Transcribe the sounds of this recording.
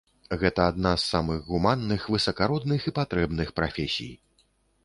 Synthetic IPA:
ɣɛt̪ɐad̪nasːamɨɣɣumanːɨxvɨsɐkaɾɔd̪̚nɨxipat̪ɾɛbnɨxpɾa̰fʲɛsʲḭj

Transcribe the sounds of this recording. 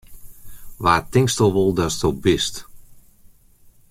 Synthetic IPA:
ʋaːtɪŋkstɔlˠʋolˠdɔstobɪst

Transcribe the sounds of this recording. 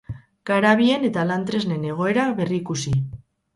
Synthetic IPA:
ɡ̥aɾaβ̞ie̞ne̞t̪alant̪ɾe̞zne̞ne̞ɣ̞o̞e̞ɾaβe̞riːkusi

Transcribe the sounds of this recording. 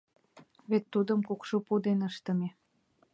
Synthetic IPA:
βet̪ːud̪ə̆mkukʃopud̪enəʃt̪ə̆me

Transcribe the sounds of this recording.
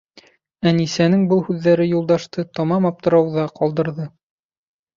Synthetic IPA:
ænisænɘŋbɤlˠhʉðːæɾɘjulˠd̪ɑʃt̪ɤt̪ɑmɑmɒp̚t̪ɤ̆ɾɑwðɑqɒlˠd̪ɤ̆ɾðɤ

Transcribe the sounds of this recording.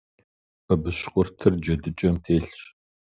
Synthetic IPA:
pɐbɨɕqʷʼʊrtʰɨrd͡ʒɐdɨt͡ʃʼɐmtʰeːɬɕ

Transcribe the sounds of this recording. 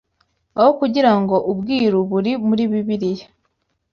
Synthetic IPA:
ahokuɟiɾaŋɡo̞ʔubɡiːɾuβuɾimuɾiβiβiɾije

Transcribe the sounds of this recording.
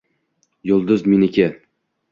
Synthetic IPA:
jʊlˠd̪ʊzminɪkʲɪ

